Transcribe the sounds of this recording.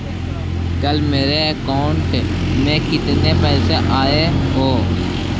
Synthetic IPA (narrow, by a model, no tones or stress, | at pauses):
kəlmeːɾeːəkaːʊɳʈ | mẽːkɪt̪neːpɛːseːʔaːeːɦoː